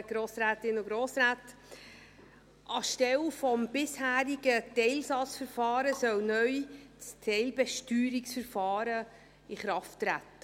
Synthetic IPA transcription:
ɡ̥ɾoːsɾæːtɪnʊɡɾoːsɾæːt | ʔɑʃtɛlfɔmb̥ɪshæːɾiɡətɛɪlsɑt͡sfəɾfɑːɾəsœwnœʏt͡stʰɛɪlbɛʃtyːɾɪksfəɾfɑːɾə | ɪχɾɑftɾætːə

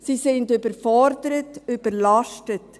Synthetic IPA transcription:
siːsɪndøbəɾfɔɾdəɾətøb̥əɾlɑʃtət

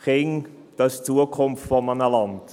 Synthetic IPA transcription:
χɪŋ | d̥ɑɪst͡suːəkʰʊmftfɔmanəlɑnd

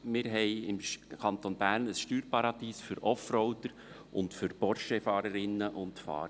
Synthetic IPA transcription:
mɪɾɦɛɪɪmkʰɑnt̪onb̥æːɾnəsʃtyːɾpɑɾɑd̥̪iːsfʏɾɔfɾɔwt̪əɾ | ʔʊ̰ntfʏɾb̥ɔɾʃɛfɑːɾəɾɪnːəʔʊntfɑ̰ːɾə

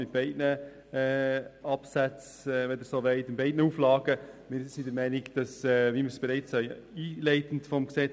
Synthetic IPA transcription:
ɪt̚b̥ɛɪdnə | ɛːɑpsæt͡s | ɛʋɛd̪əsoːʋɛɪtɪnbɛɪdnəuflɑːɡ̥əmɪɾsidəɾmɛɪnɪkd̥ɑsɛʋimɪɾsb̥ɛɾɛɪt͡sœʏ | iːlɛɪtən̩tfɔmksɛ

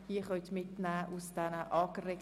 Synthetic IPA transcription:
hiəχœʏt̪mɪtnæːʔusd̥ɛnəʔɑːkəʁek

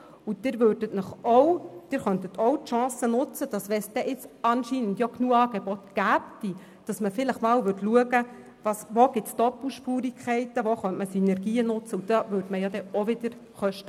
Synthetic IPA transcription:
ud̥̪ɪɾʋøːɾdətnəχɔwd̥ɪɾχœnt̪ət̪ʰɔwtʃɑ̃ːsənʊt͡səd̥ɑsʋɛsd̥ɛʔɪt͡sɑnʃiːnəndjɔknuːəɑːɡebɔt̪ɡ̥æːpd̥i | d̥ɑsməfɪləχmɑːwʋʏtluəɡə | ʋɑsʋoɡ̥ɪtsd̥ɔpl̩ʃpuːɾikʰχɛɪtəʋoχœntməsinɛɾɡiːənʊt͡səud̥̪ɑʋøɾdməjɑd̪ɛoʋɪd̥̪əɾχœʃtə

